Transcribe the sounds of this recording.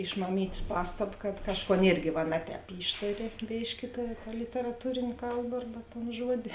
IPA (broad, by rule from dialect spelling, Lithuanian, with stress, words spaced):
ɪʃ mɐˈmʲiːtʲsʲ ˈpɑːstɐp kɐt ˈkɑːʃˌkoːn ˈɪrʲɡʲɪ ʋɐ ˈnʲɛ ˌtʲɛːp ˈiːʃtɐrʲɪ ˈbʲeːʃʲkʲɪ tɐ lʲɪtʲɛrɐˈtuːrʲeːnʲ ˈkɐlˠbɐ ˈɐrbɐ toːn ˈʒuɔdʲɪ